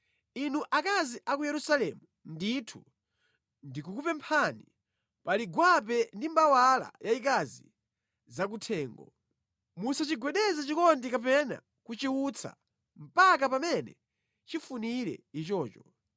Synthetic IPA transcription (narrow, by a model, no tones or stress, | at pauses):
inuʔakaziʔakujɛɾusalɛmu | nditʰu | ndikukupɛmpʰani | paliɡwap̬ɛndimbawala̰jaikazḭ | zak̬utʰɛːŋɡɔ̰ | musat͡ʃiɡwɛɗɛzat͡ʃikɔndikap̬ɛna̰ | kut͡ʃiut͡sʰa̰ | m̩pak̬apamɛnɛ̰ | t͡ʃifuniɾɛ̰it͡ʃɔːt͡ʃɔ